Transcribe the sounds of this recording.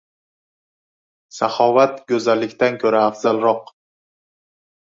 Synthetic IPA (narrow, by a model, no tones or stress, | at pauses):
saχɒvat̪ɡʲɵzalːɪkʲt̪ankʰɵɾaːfz̥alˠɾɒq